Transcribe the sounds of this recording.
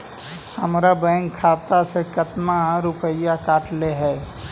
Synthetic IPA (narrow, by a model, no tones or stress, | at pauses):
həmɾabɛ̃ːŋkkʰːaːt̪asekət̪maɾʊpəɪjakaːʈleɦɛː